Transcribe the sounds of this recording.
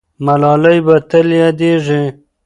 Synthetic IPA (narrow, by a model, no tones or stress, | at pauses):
malɑlajbat̪əljɑd̪eʐi